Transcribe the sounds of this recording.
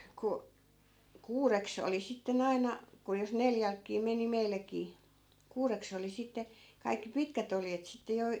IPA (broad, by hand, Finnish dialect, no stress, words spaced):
ku kuːreks oli sitːen ɑinɑ ku jos neljælkːiː meni meilːækiː kuːreks oli sitːe kɑikːi pitkæt oljet sitːe jo